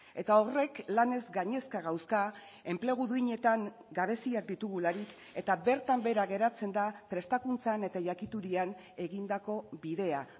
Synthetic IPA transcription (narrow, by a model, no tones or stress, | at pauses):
e̞t̪ao̞re̞klane̞zɡaɲe̞skaɣ̞awska | e̞mple̞ɣ̞uðuiɲe̞t̪aŋ | ɡaβ̞e̞siak̚d̪it̪uɣ̞ulaɾik | e̞t̪abe̞ɾt̪ambe̞ɾaɣe̞ɾat͡se̞nd̪apɾe̞st̪akunt͡sane̞t̪aʝakit̪uɾian | e̞ɣind̪ako̞βiðe̞a